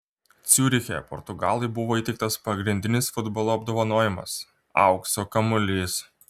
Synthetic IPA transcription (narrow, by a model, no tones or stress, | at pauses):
t̪sʲuːɾʲɪxʲeɛ̰pɔ̰ɾt̪ʊɡɑːlˠɐɪbʊʋoːiːt̪ʲɛɪkt̪ɐspɐɡɾʲɪnʲd̪ʲɪnʲɪsfʊd̪bɔlˠoːɐbd̪oːʋɐnoːjɪmɐ̰s | ɑ̰ˑʊksokɐmʊlʲiːs